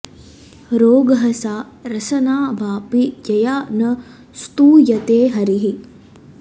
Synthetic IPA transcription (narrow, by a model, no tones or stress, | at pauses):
ɾoːɡɐɦɐsaː | ɾɐsɐnaːʋaːpijɐjaːnɐ | st̪uːjɐt̪eːɦɐɾiɦi